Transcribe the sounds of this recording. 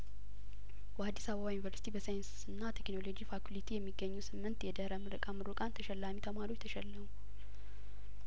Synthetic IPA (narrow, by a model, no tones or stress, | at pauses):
bəad̪ːisaβəβajunivəɾsi̥t̪ʰibəsajɪnsɨnːat̪ʰekno̞lo̞d͡ʒifakulit̪ʰijɛmːiɡːəɲːuwsɨmːɨnt̪jɛd̪əɾamɨɾɨkʼamɨɾukʼant̪ʰəʃɛlːamit̪ʰəmaɾiot͡ʃt̪ʰəʃɛlːəmu